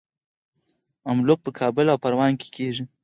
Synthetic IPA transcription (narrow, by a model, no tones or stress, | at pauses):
amlok̚pəkʰɑːbɪlawpaɾwɑnke̥kʰeʒi